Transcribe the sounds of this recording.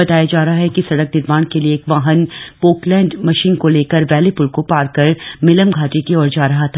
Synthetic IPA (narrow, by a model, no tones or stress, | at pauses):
ɐt̪aːjad͡ʒaːɾɐɦaɦɛkisɐɽək̚nɪɾʋaːnkelieːkʋaːɦənpoːklɛ̃ːɳɖmɐʃiːnkoleːkəɾʋɛːlepʊlkopaːɾkəɾmɪləmɡʱaːʈekiɔːɾd͡ʒaːɾɐɦat̪ʰaː